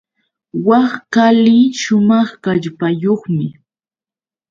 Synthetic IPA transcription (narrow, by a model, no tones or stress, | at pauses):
wɑχkalɪʃʊmɑχkaʎpajoχmɪ